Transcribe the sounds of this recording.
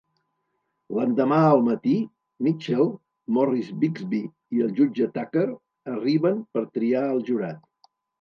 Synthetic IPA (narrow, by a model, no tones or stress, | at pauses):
lənd̪əmaəlˠmət̪i | mit͡ʃɛlˠ | mɔrizbikzβi | iəlˠʒud͡ʒət̪akəɾ | əriβənpəɾt̪ɾiaəlˠʒuɾat̪̚